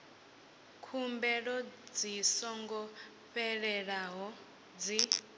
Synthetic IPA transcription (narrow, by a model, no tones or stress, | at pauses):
kʰumbɛɺɔd͡zisɔŋɡɔ | ɸɛɺɛɺaɦɔ | d͡zi